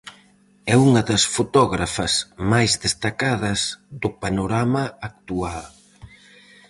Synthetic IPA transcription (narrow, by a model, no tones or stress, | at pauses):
ɛuŋɐðɐsfot̪ɔɣɾafɐzmajzðest̪akaðɐzðʊpanoɾamɐak̚t̪ual